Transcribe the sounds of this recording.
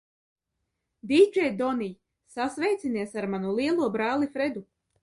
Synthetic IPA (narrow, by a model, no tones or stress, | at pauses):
d̪id͡ʒɛjd̪ɔnij | sasvɛjt̪siniɛsaɾmanulˠiɛlˠuɔbɾaːlˠifɾed̪u